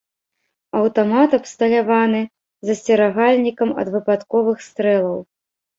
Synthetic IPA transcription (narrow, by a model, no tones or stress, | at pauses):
ɐwt̪amat̪ɐpst̪ɐlʲavanɨ | zɐsʲt͡sʲɛɾaɣalʲnʲikɐmɐ̰d̪vɨpat̪kɔvɨxst̪ɾɛlˠɐw